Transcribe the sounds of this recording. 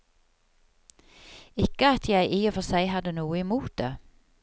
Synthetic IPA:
ɪkəɑt̪ʰjæɪʔiːɔfɔsæɪhɑd̪ənuːəɪmuːt̪̚d̪eː

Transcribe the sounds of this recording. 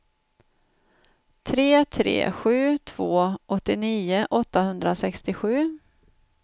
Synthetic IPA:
t̪ʰɾeːt̪ʰɾḛːɧʉ̟ːt̪ʰv̥oːʔɔt̪ːɪniːʊʔɔt̪ːahɵnd̪ɾasɛkst̪ɪɧʉ̟ː

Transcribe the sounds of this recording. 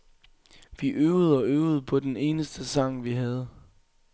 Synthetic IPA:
ʋiʔøːʊð̞̩ˠɒ̽øːʊð̞̩ˠpʰɒ̽d̥ene̝ːnəsd̥əsɑ̈ŋ̰ʋiɦæð̞ˠ

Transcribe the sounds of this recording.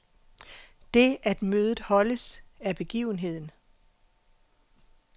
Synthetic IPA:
d̥e̝æd̥møːðˠð̩ˠhɒ̽ləsæɐb̥e̝ɡ̥ḭːʊn̩ɦe̝ð̰ˠn̩

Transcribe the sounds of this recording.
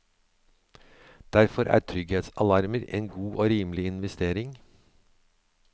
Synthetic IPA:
d̪̥æɾfɔɾʔæ̰ːʈʰɾʏɡhet̪sɑlɑɾməɾḛːnɡuːʔoːɾiːmlɪɪnʋɛst̪eːɾɪŋ

